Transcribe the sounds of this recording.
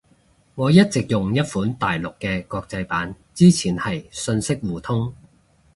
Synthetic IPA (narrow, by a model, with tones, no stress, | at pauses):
ŋɔː˨˧jɐ˥t̚t͡sɪ˨k̚jʊ˨ŋjɐ˥t̚fuː˨˥nt̪aː˨jlʊ˨kːɛː˧kɔː˧k̚t͡sɐ˧jpaː˨˥n | t͡siː˥t͡sʰiː˨˩nhɐ˨jsɵ˧nsɪ˥k̚wuː˨˩t̪ʰʊ˥ŋ